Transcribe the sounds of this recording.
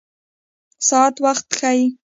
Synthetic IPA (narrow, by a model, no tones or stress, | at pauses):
saːt̪waχt̪xaj